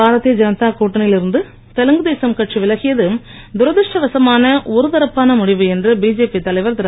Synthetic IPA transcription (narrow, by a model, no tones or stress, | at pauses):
aːɾɐt̪ːijɐd͡ʒɐnɐt̪ːaːkuːʈːɐnɪjɪlɪɾɯnd̪ɯ | t̪ɛlɐŋɡɯðeːsɐmkɐʈʂiʋɪlɐɣɪjɐðɯm | d̪ʊɾɐðɪʂʈɐʋɐsɐmaːnɐɔɾɯðɐɾɐpːaːnɐmʊɽɪʋɯɛndrɯbiːd͡ʒeːpit̪ːɐlɐɪʋɐɾt̪ɪɾɐ